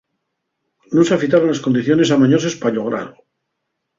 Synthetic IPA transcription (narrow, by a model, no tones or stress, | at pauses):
noseafit̪̬aɾonlaskond̪iθjo̞ne̞samaɲosaspaʎoɣ̞ɾa̰lo